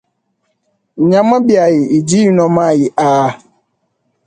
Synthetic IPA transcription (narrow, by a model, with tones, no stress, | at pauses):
ɲã˨mã˦bi˦a˨jɪ˨i˨d͡ʑi˦jnɔ̃˨mã˦˨jɪ˨ʔaː˨˦